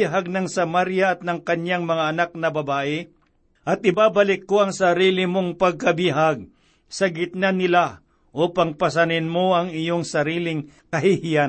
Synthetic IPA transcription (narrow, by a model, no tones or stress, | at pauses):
ɦaɡ̚nɐŋsɐmaɾjaɐt̪̚nɐŋkɐɲjaŋmɐŋaɐnak̚nɐbɐbaːʔɪ | ʔɐt̪̚ɪbabɐlɪkːoʔɐŋsɐɾiːlɪmoŋpɐɡ̚kɐbiɦaɡ̚ | sɐɡɪt̪̚nanɪla | ʔuːpɐŋpɐs̬ɐnɪnmoʔɐŋɪjoŋsɐɾiːlɪŋ | kɐhihɪja